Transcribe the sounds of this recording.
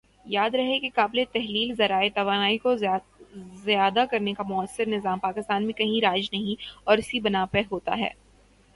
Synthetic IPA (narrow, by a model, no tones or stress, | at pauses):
jaːd̪ɾɐɦekekaːbɪlet̪ɛɦliːlzɐɾaːet̪ɐʋaːnaːiko | zjaːd̪akɐɾnekamʊəsːɪɾnɪzaːmpaːkɪst̪aːnmẽkɐɦĩɾaːd͡ʒnɐɦĩɔːɾɪsibɐnaːpəɦoːt̪a̰ɦɛ̰ː